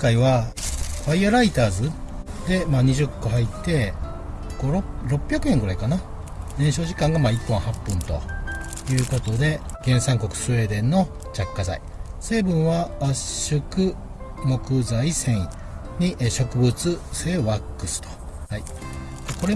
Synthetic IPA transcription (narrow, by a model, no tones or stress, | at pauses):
kaiβaɸaiaɾait̪aːzɨd̪e̞maːɲ̟iʑɨkːo̞ɦait̪ːe̞ | ɡ̥o̞ɾoɾo̞pːʲjakɯ̟ẽ̞ŋɡɯ̟ɾaikana | d̪ẽ̞ɰ̃ɕo̞ːʑikãŋɡamaːipːõɰ̃hapːɯ̟̃nt̪o̞̰ | jɯ̟ːko̞t̪o̞d̪e̞ɡ̥ẽ̞ɰ̃sãŋko̞kɯ̟̥sɨe̞ːd̪ẽ̞nːo̞ | t͡ɕakːaza̰i | se̞ːbɯ̟̃ɰ̃βaːɕɕɨkɯ̟ | mo̞kɯ̟zaisẽ̞ɰi | ɲ̟iʔɕo̞kɯ̟bɯ̟t͡sɨse̞ːβakːɯ̟sɨ̥t̪o̥hai | d̪̥eko̞ɾe